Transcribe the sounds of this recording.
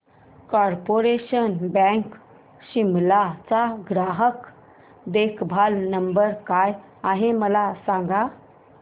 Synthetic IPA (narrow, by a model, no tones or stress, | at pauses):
kɔɾpoɾeɕənbɛ̃ŋk | ɕimlat͡saɡɾaɦək | d̪ekʰbʱalnəmbəɾkaj | aɦeməlasãŋɡa